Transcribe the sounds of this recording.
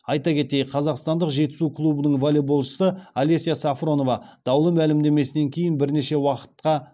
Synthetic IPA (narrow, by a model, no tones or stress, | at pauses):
ɑjt̪ɑkʲʰe̞t̪e̞jqʰɑzɑqst̪ɑnd̪əqʒe̞t̪ɪ̥sukʰlˠubənəɴvolʲebolˠʃə̥səalʲe̞sʲijasafro̞no̞vɑd̪̥ɑwlˠəmælɪmd̪e̞me̞sɪne̞ŋkʲʰe̞jɪnbɪɾne̞ʃe̞wɑqə̥t̪̚qɑ